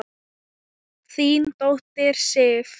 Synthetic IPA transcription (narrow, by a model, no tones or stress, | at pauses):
θiːnt̪owht̪ɪɾ̥sɪːf